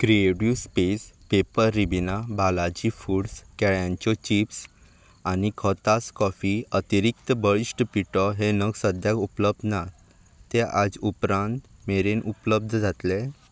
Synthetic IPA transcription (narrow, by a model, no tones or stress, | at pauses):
kɾieɽjuspespepəɾːibinabalad͡ʑifuɽskɛɭjãɲt͡ɕɔt͡ɕips | anikʰɔt̪askɔfiət̪iɾik̚t̪əbəɭisʈəpiʈɔɦenəɡsəd̪ʱjakupləb̚d̪na | t̪eʔad͡zupɾãnt̪meɾenupləb̚d̪ʱd͡zat̪le